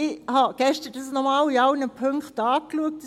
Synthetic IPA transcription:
ɪhɑɡ̥ɛʃtəɾdɑsnɔmɑːliɑʊnəpʰøŋkχtɑːkluək̚t

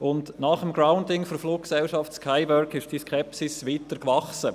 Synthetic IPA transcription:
ʊndnɑχəmɡɾaʊndɪŋfɔɾfluːk̚ksɛlʃɑftskʰaɪvœɾkɪʃd̥iskʰɛpsɪsʋiːtəɾkvɑχsə

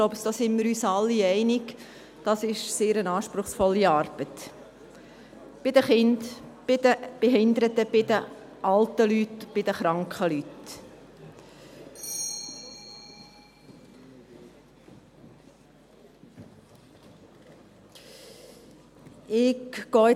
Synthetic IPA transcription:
ɡloʊbəsd̥oːsɪnmɪɾyːsɑlːiɛɪnɪk | d̥ɑsɪʃseːɾənɑːʃpɾʊχsfɔlːiɑːɾb̥ət̪ | b̥ɪd̥̪əχɪndb̥ɪd̥̪əb̥eɦɪnd̪əɾət̪ːəb̥ɪd̪ə | ʔɑlt̪əlytb̥ɪd̪əχɾɑŋkχəlyt | ɪkːɡ̥ɔːɪ

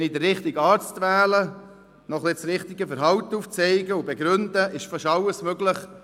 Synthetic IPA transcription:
nidəːɪχtɪɡɑːɾt͡stʋæːlə | nɔχlɪsɾɪχt̪ɪɡəfəɾɦɑwtːuːft͡sɛɪɡəubɛɡɾʏnd̪əʔɪʃfɑʃɑwəsmøɡləχ

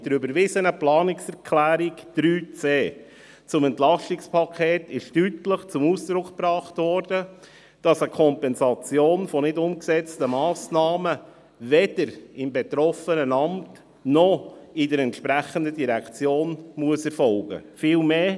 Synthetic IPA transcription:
d̥əɾybəɾʋɪzənəplɑːnɪksɛɾkʰlæːɾikd̥ɾyːt͡seː | t͡sʊmɛntlɑʃtɪkspʰɑkʰeːtɪʃtytləχt͡sʊmusd̥ɾʊkpɾɑːχtʋɔɾdə | d̥ɑsəkʰɔmpɛnzɑt͡sjoːnfɔnɪdʊmksɛt͡stəmɑːsnɑːmə | ʋɛd̥əɾɪmbɛt̪ɾɔfənənɑmt | nɔɪdəɾɛntʃpɾæχəndədiɾɛkt͡sjoːnmuəsɛɾfɔlɡə̰fɪːlmeː

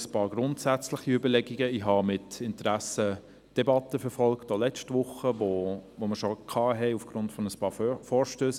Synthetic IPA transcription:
spɑːɾɡ̥ɾʊntsæt͡slɪχiʏbəlɛɡiɡəiɦɑmɪtɪntəɾæsə | d̥ɛbɑtəfɛɾfɔlktolɛt͡ʃtʋʊχəvovoməʃokʰɑːɦɛɪufɡ̥ɾʊntfɔnəspɑːfɔːʃtøːs

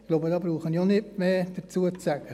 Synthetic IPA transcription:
ɡ̥loːbədɑːbɾuːχənionɪtmeːd̥əɾt͡suət͡sæɡ̥ə

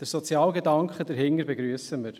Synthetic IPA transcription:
d̥əɾsɔt͡sjɑːlɡed̪ɑŋkχəd̪əɾɦɪŋːəɾbeɡɾyəsəməɾ

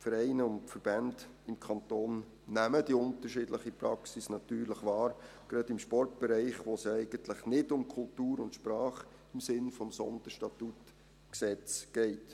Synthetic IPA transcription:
fəɾɛɪnəʊntfəɾb̥ænd | ɪmkʰɑntoːnː | æmədiʊntərʃɪdləχipɾɑksisnɑt̪yːɾləχʋɑːɾ | ɡ̥ɾɑdɪmʃpɔrt̚b̥ɛɾɛɪχʋosɛɪɡ̥əntləχnɪdʊmkʰʊltuːɾʊntʃpɾɑːχ | ɪmsɪnfɔmsɔ̰nd̥̪əɾʃtɑtut | ksɛt͡sɡ̥ɛɪt

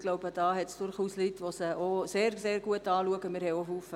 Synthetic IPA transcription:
ɡ̥loʊbəd̥ɑːɦɛtsd̥ʊrχuːslytʋosəʔoseːrseːɾɡuətɑːluəɡəmɪɾhɛjoɦuːfə

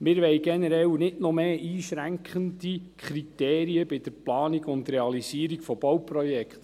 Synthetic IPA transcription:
mɪɾʋɛjɡɛnəɾɛwnɪtnɔmeːʔiːʃɾæŋkχəndikʰɾit̪eːɾiəbɪd̥əɾplɑːniɡʊnd̪ɾɛɑlisiːɾikfɔb̥ɔwprɔjɛkχt̪

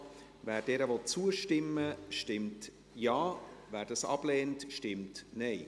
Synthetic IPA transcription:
væːɾd̥ɛːɾəvɔt͡suəʃtɪmːəʃtɪmt | jɑːvæːɾdɑsɑ̰b̥lɛːntʃtɪmtnɛɪ

